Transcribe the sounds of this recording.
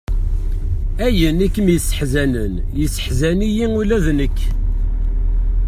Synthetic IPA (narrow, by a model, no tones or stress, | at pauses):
æjənikːəmjəsːə̥ħzænən | jəsːə̥ħzænijiŋulæðnəkː